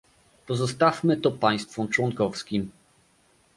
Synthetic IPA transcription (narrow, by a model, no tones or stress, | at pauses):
pɔzɔst̪afmɘt̪ɔpaj̃st̪fɔmt͡ʂwɔŋkɔfskʲim